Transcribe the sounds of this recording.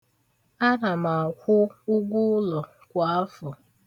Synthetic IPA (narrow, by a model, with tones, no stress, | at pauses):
a˦na˨ma˨kʷʊ˦ʊ˦ɡʷʊ˦lɔ˨ | kʷa˨a˦fɔ˨